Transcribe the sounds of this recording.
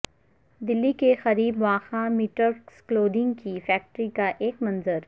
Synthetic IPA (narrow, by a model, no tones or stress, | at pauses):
d̪ɪlːikexɐɾiːbʋaːxãmiːʈəɾskloːɖɪ̃ŋɡkifɛːk̚ʈɾikaʔeːkmɐ̃nzəɾ